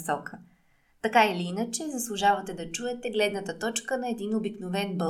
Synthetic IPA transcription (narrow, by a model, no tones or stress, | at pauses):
sɔkʰə | t̪ɐkailiinət͡ʃɛzɐslˠʊʒavɐt̪ɛd̪ɐt͡ʃuɛt̪ɛɡlɛd̪nət̪ət̪ɔt͡ʃkənɐɛd̪inobiknovɛnbɤ